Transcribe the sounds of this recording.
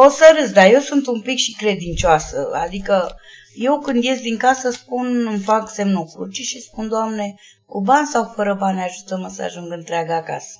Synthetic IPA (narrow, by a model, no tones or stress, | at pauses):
osəɾɨsd̪aje̞wsunt̪umpikʃikɾe̞d̪int͡ʃoasə̰a̰d̪ikə | je̞wkɨnd̪je̞sd̪iŋkasəspunɨmfakse̞mnokɾṵt͡ʃiʃispund̪oamne̞ | kubansawfəɾəbanaʒut̪əməsəa̰ʒuŋɡɨnt̪ɾeaɡəaka̰sə̥